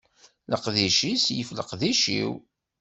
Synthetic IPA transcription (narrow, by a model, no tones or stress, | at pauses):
ləqðiʃisjəfləqðiʃḭw